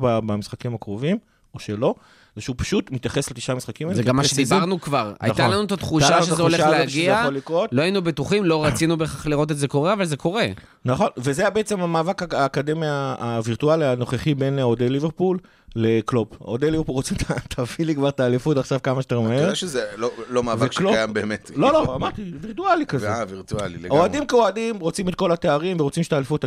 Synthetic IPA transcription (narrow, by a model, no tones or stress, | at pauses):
babamisχakimhakʁovim | oʃelo̞ | zeʃupḁʃut̪mit̪jaχe̞slet̪i̥ʃamisχakimaezeamːaʃed̪ibʁnukvaʁa̰jt̪alanuet̪at̪χuʃaʃezzeoleʃχaleoʃɡiejaolikʁo̞t̪lo̞ajinubet̪uχimlo̞ʁat͡sinubeχaχliʁo̞t̪̬etzeko̞ʁeavalze̞kʰo̞ʁe̞ | naχo̞nvezeabeet͡semamaːvakaaːkademiaːviʁt̪ualiano̞χeχibe̞nod̪eliveʁpulː | eklopod̪ejlivepulʁot͡set̪ʰat̪ʰavilikvaʁt̪aːlifut̪aχʃavkamaʃtaʁimaeʃezelolomaːvaeʃkloajambeːmetloloamaʁt̪iviʁt̪ualikazeviʁt̪ualḭleɡoadimkeoadimʁot͡simet̪̚ko̞lat̪eaʁimveʁot͡simʃet̪aːlifut̪